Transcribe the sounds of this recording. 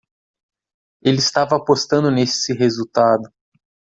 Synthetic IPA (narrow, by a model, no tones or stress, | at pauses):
elɪist̪avɐːpost̪ɐ̃nd̪ʊnesɪɦezuwt̪ad̪ʊ